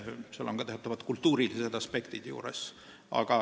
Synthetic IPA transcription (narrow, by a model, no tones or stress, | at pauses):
selːoŋɡ̥ɑt̪eɑt̪ːˑɑvɑt̪kult̪ːuːɾilised̪̥ɑspe̞kt̪id̪̥jṵːɾḛs | ɑ̰ɡ̥ɑ